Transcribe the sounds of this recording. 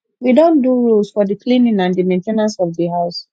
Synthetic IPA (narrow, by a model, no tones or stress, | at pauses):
widõnduɹulsfɔdiklĩnĩŋãndimẽntenãnsɔvdiɦaʊs